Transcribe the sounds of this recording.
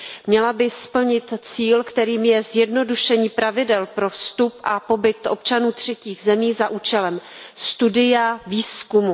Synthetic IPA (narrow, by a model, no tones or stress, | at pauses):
mɲɛlabɪspl̩ɲɪt̪t͡siːlkt̪ɛɾiːmjɛzjɛdno̞duʃɛɲiːpɾavɪdɛlpɾo̞fst̪upʔapo̞bɪt̪ʔo̞p̚t͡ʃanuːt̪r̝̥ɛciːɣzɛmiːzaʔuːt͡ʃɛlɛm | st̪udɪjaviːskumu